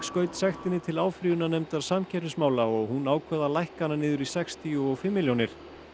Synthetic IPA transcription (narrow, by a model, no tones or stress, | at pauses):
skœːɥt̪sɛxt̪ɪnːɪt̪ʰɪlaːwfɾiːʏnanɛmt̪aðsamcʰɛɾɪsmaːwlaɔɣhunaːwkʰvɛːðalajhkanːanɪːðʏɾisɛkst̪ʰiuɔɣfɪmːɪljownɪɾ̥